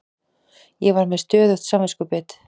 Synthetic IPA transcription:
jɛvaɾmɛðst̪œːðʏxt̪samvɛskʏpɪːt̪

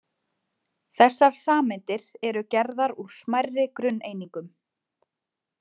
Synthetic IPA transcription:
θɛsːaɾ̥saːmɪnt̪ɪɾɛɾʏcɛɾðaɾuɾ̥smajrːɪkɾʏnːejniŋkʏm

